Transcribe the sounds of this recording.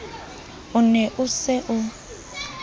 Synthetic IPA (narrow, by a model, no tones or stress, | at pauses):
ʊnɛʔʊsɪʔʊ